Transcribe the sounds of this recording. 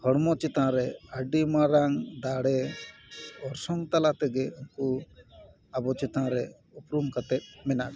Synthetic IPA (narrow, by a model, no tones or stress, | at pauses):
hɔɽmɔt͡ʃɛt̪ãɾɛaɖimaɾaŋd̪aɽɛ | ɔɾsɔŋt̪alat̪ɛɡɛunku | abɔt͡ʃɛt̪ãɾɛ | upɾumkat̪ɛt̪̚ˀmɛnad̪